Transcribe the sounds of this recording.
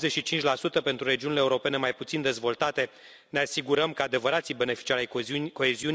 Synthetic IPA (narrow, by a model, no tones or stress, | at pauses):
zeʃit͡ʃint͡ʃʲlasut̪əpe̞nt̪ɾuɾe̞d͡ʒiunileːuɾo̞pe̞ne̞majput̪sind̪e̞zvo̞lt̪at̪e̞ | neasiɡuɾəmkəad̪e̞vəɾat̪sibe̞ne̞fi̥t͡ʃiaɾajko̞eziun